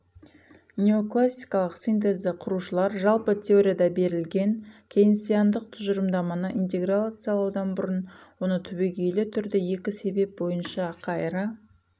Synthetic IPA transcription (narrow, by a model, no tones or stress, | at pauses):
nʲeo̞klˠasʲːijkɑlˠəqsint̪̬e̞zd̪ɪqʰʊɾuʃəlˠɑɾʒɑlˠpət̪ʲʰe̞o̞ɾʲijad̪ɑbe̞ɾɪlɡʲe̞ŋkʲʰe̞jɪnsijand̪əq̚t̪ʰʊʒəɾəmd̪ɑmɑnəʔint̪ʲe̞ɡralˠat̪sɨjɑlˠɑwd̪ɑnbʊɾənwo̞nət̪ʰʏbe̞ɡʲe̞jlɪt̪ʰʏɾd̪ɪje̞kʲɪse̞be̞p̚bo̞jənʃɑqʰɑjɾɑ